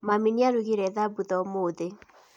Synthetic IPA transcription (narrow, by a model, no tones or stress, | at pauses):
maminiaɾuɣiɾɛðabuðɔmoːðe